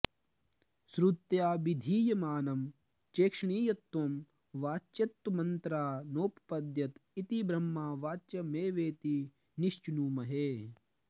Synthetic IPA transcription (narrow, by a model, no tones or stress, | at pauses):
sɾut̪jaːʋid̪ʱiːjɐmaːnɐm | t͡ʃeːkʂɐɳiːjɐt̪ːoːm | ʋaːt͡ʃːɐt̪ːmɐnt̪ɾaːnoːppɐd̪jɐt̪it̪ibɾɐmːaːʋaːt͡ʃɐmeːʋeːt̪i | niʃt͡ʃunuːmɐɦeː